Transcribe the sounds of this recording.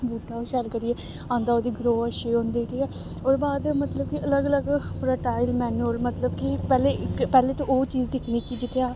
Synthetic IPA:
buːʈaːoːsɛlkəɾiːeː | ãːnd̪aːoːd̪iːɡɾoːəʃeːõːnd̪eːʈiɛː | oːɾbaːd̪mət̪ləb̚kɪələɡələɡpʰɾəʈaːɪlmɛːnuəlmət̪ləbkipɛːleːɪkpɛːleːt̪õːʔoːt͡ʃiːzd̪ɪkʰniːkid͡ʒɪt̪ʰːeaː

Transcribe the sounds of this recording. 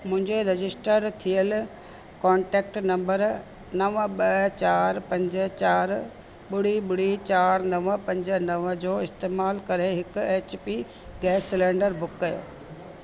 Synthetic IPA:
mʊ̃ɦɪ̃ɲd͡ʑeɾɐd͡ʑɪsʈəɾt̪ʰijəl | kɔ̃ːɳʈeːk̚ʈnɐ̃mbəɾ | nɐʋɓɐt͡ɕaːɾpɐ̃ɲd͡ʑət͡ɕaːɾ | ɓʊɽ̤iɓʊɽ̤it͡ɕaːɾnɐʋəpɐ̃ɲd͡ʑə̆nɐʋəd͡ʑoːɪst̪eːmaːlkɐɾeɦɪkʊ̆eːt͡ɕpi | ɡɛːsːɪlẽːɳɖəɾbʊkːɐjo̰ː

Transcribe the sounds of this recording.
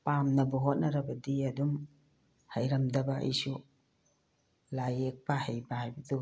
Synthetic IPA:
pamnɐbuɦot̚nɐɾɐbɐdiɐdum | hɐjɾɐmdɐbɐḛjsu | lajek̚pahɐjbahajbɐdu

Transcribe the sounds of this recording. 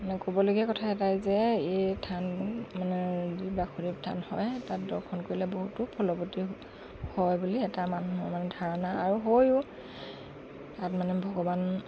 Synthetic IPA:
manɛkobɔloɡiɛkɔtʰaɛtajzɛetʰanmanɛdibakʰuɹip̚tʰa̰nhɔjtat̚dɔɹkʰɔnkoɹilɛboɦutʊpʰɔlɔboti | hɔjbuliɛtamanuɦɔɹmanɛdʱaɹanaaɹuɦojʊ | tatmanɛbʱɔɡɔban

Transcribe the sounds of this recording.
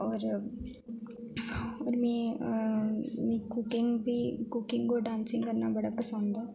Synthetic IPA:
ɔːɾ | ɔːɾmɛ̃ː | mɛ̃kʊkɪŋɡbʱikʊkɪ̃ŋɡkoɖãːnsɪ̃ŋɡkəɾnabɐɽapɐsə̃nd̪a

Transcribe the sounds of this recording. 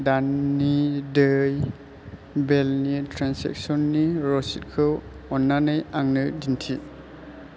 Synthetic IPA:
danːidɯj | belnitʰɾansḛk̚sɔnːiɾɔsit̚kʰɯw | ɔnːanɯjaŋnɯdintʰi

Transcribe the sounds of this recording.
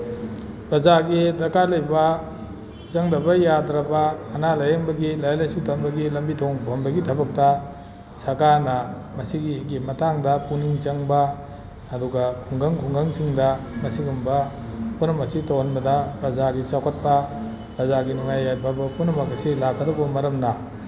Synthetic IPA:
pɾɐzaɡidɐkalɐjbɐ | t͡ʃɐŋdɐbɐjadɾɐbɐːnalɐjeŋbɐɡilajalajsutʰɐmbɐɡilɐmbitʰoŋbʱɐmbɐɡitʰɐbɐk̚tɐ | sakanɐmɐsiɡiɡimɐtaŋdɐpuniŋt͡ʃɐŋbɐː | duɡakʰuŋɡɐŋkʰuŋɡɐŋsiŋdɐ | mɐsiɡumbɐ | punɐmɐsitawanbɐdɐpɾɐzaɡit͡ʃakʰɐt̚pɐ | pɾɐzaɡinuŋajːajbɐbɐpunɐmɐkɐsilakʰːɐdɔbɐmɐɾɐmna

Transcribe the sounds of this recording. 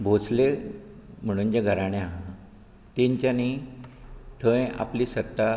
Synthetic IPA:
bʱot͡sle | m̤əɽ̃uːnd͡ʑeɡʱəɾaɽ̃eaɦa | t̪eɲt͡ɕani | ʈ̪ʰəja̰pliːsət̪ːa

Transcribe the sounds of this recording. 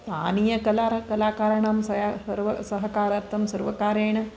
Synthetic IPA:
taːnijɐkɐlaːɾɐkɐlaːkaːɾɐɳaːmsɐasɐɾʋɐsɐɦɐkaːɾɐɾt̪ːɐmsɐɾʋɐkaːɾeːɳɐ

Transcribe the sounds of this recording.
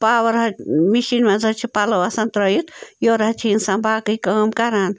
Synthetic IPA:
pawəɾɦɐmiʃinmẽd͡zɐt͡ʃʰipalowasɐnt̪ɾəjit̪joɾɦt͡ʃʰinsãbaːkɨkəːmkaɾan

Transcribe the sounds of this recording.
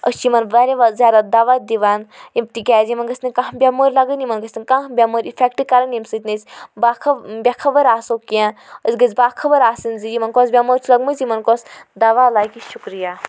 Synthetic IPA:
ə̰simɐnʋaɾʲeʋazjaːd̪ad̪aʋad̪iʋaːnjimt̪ikʲaːzimɐnɡɐsʲnikãɦbʲamoːɾʲlɐɡənimɐnɡɐsnikãɦbʲamoɾʲifʰʲekʈɨkɐɾɐnimsɨt̪ʲnit͡sʲbakʰɐbʲakʰɐbɐɾaːsokiãəzɡɐzbaːkʰɐbəɾaːsɨnzijimɐnkosbʲamoːɾt͡ʃʰlɐɡmɨzimɐnkosd̪aʋalaːkiʃukɾijaː

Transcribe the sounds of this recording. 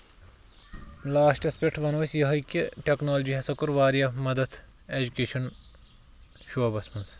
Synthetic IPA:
laːsʈɐspekʈʰʋɐnoːsjɐɦɐkiʈeknoːld͡ʒiɦɐsɐkuɾʋaːɾijɐmɐd̪ɐt̪ʰ | eːd͡ʒukeːʃɐn | ʃoːɐbɐsmɐns

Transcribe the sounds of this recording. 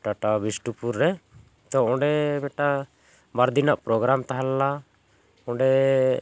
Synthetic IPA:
ʈaʈabisʈupuɾːɛ | t̪ɔɔ̃ɖɛbɛʈa | baɾd̪inaʔpɾɔɡɾamt̪aɦalɛla | ɔ̃ɖɛ

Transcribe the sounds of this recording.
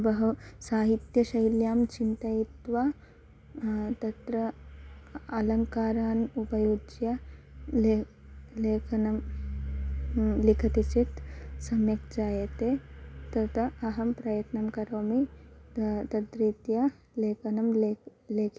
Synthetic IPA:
bɐɦusaːɦit̪jɐʃɐjljaːmt͡ʃint̪ɐjit̪ʋaː | t̪ɐt̪ɾɐ | ɐlɐŋkaːɾaːnupɐjud͡ʒjɐ | leːkʰɐnɐm | likʰɐt̪it͡ʃit̪sɐmjɐkt͡ʃaːjɐt̪eːt̪ɐt̪ʰɐɐɦɐmpɾɐjɐt̪nɐmkɐɾoːmi | t̪ɐt̪ɾiːt̪jɐ | leːkɐnɐmlleːkʰ

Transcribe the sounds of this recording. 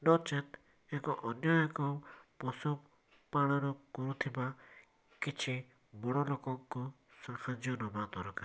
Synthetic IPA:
nɔt͡ʃɛt̪ | ekɔʔɔnjɔjɔkɔpɔsu | paɽ̃ɔɾɔkɔɾut̪ʰiba | kit͡ʃʰi | bɔɽ̃ɔlokɔŋkɔ | sahad͡ʒjɔnɔbat̪ɔɾɔka

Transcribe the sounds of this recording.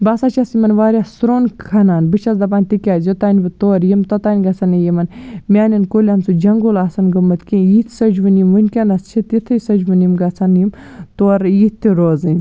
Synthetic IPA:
basat͡ʃasimɐnʋaːɾjasɾoːnkʰɐnaːnbɨt͡ʃʰɐzd̪ɐp̬aːnʲt̪ikʲaːjot̪aːnʲbɨt̪oːɾjimt̪ot̪aːnʲɡɐt͡sɐnɐjimɐnmʲaːninkoːlʲiɐmsud͡ʒɐŋɡolaːsɐnɡɐmːɐt̪kijit̪ʰsɐd͡ʒʋɨnjimʋɨnʲkʲɐnɐst͡ʃʰit̪it̪ʰɨsɐd͡ʒʋɨnjimɡɐt͡sʰɐnjimt̪oːɾjit̪ʲːiɾoːzɨnʲ

